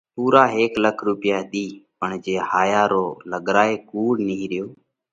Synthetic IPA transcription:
puːɾaːɦeːkləkʰɾuːpɪjaːɦɗ̪iːpəɳd͡ʒeːhaːjaːɾoːləɠɾaːeːkuːɽnɪiːɾɪjoː

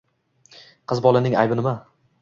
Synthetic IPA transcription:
qʰɨzbɒlˠanɪŋa̰jbɪnɪma

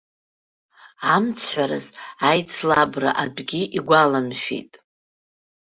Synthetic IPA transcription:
amt͡sʰħʷᶣaɾazajt͡sʰlabra̰ʔadɡʲiʔiɡʷalamʃᶣḭtʼ

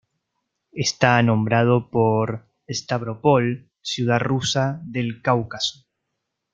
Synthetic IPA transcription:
est̪anõ̞mbɾað̞opoɾ | est̪aβɾo̞pol | sjuð̞arusaðelkawkaso̥

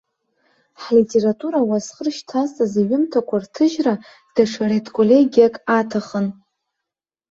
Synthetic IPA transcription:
ħlitʼe̞ɾatʼuɾawasχərʃtʰastʼaziɥɪmtʰakʷʰartʰɨʒra | d̥aʂʰaɾetʰʼkʷʼolʲeɡʲijakʼatʰaχən

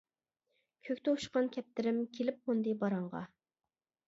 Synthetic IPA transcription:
kʲʰøkʲt̪ɛuʃqɑnkʲʰɛp̚t̪ɪɾɪmkʲʰelɪp̚ːond̪ɨbɑɾɑɴʁɑ̰

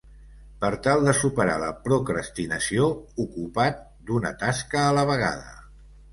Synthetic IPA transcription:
pəɾt̪alˠd̪əsupəɾa̰lə̰pɾukɾəst̪inəsioukupat̪̚ | d̪unə̰t̪askəːləβ̞əɣ̞a̰ðə̰

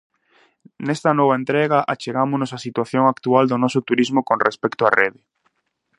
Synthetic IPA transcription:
nest̪anɔβaent̪ɾeɣaʔat͡ʃeɣamʊnosasit̪waθjoŋakt̪uald̪onɔsʊt̪uɾizmokonrespɛkt̪oareðɪ

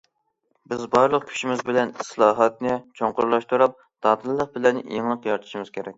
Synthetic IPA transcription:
bɪzbɑɾlˠəqkʲʰy̥ʃimɪzbɪlɛnslˠɑːɦɑt̪nɪt͡ʃʰoŋqʊɾlˠɑʃt̪uɾɑp̚ | d̪̥ɑːd̪ɨlːˠəq̚bɪlɛnjeŋlˠəqjɑɾt̪ʰu̥ʃimɨz̥kʲʰeɾɛk̚ʲ

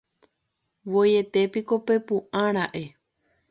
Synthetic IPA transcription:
ʋoje̞t̪e̞piko̞pe̞pũʔãɾ̃aʔe̞

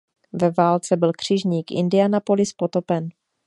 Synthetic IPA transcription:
vɛvaːlt͡sɛbɪlkr̝̥ɪʒɲiːkʔɪ̰ndɪjanapo̞lɪspo̞t̪o̞pɛn

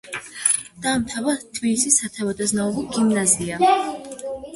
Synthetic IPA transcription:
d̪̥aːmt̪ʰavat̪ʰbilisisːat̪ʰɛvɔd̪aznaulɔɡimnazia

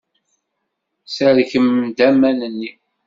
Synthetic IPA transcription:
səɾçəmd̪æmænənːi

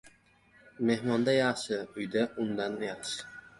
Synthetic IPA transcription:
me̞hmɒnd̪ajɑʃɪʊjd̪aʊnd̪anjɑʁʃɪ̥

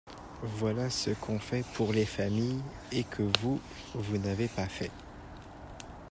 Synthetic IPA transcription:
vwalasəkʰɔ̃fɛpʰuʁlefamij | ekʰəvu | vunavepafɛ̰

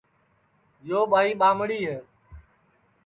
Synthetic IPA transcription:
joːɓʱaːiːɓaːmɽiːɦeː

